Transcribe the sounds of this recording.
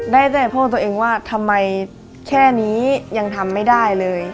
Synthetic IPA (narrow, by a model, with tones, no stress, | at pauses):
daː˥˩jt̪ɛː˨˩pʰɔː˥˩t̪u˧ʔeː˧ŋwaː˥˩t̪ʰa˧mːa˧j | kʰɛː˥˩niː˦˥ja˧ŋt̪ʰa˧mːa˥˩jdaː˥˩jlɤː˧j